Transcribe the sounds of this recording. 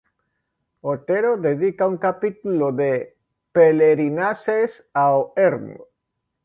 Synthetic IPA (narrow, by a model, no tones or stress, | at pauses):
ot̪eɾoðeðikauŋkapit̪uloðe | peleɾinases | aoeɾmo̰